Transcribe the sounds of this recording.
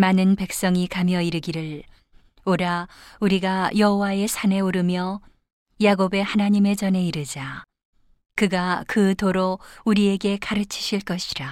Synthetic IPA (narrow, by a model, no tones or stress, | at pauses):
manɯnpe̞k̚s͈ʌŋikamjʌiɾɯɡiɾɯɭ | oɾauɾiɡajʌɦowae̞sʰane̞oɾɯmjʌ | jaɡobe̞hanaɲime̞d͡ʑʌne̞iɾɯd͡ʑa | kɯɡakɯtoɾouɾie̞ɡe̞kaɾɯt͡ɕʰi̥ɕʰiɭk͈ʌɕʰi̥ɾa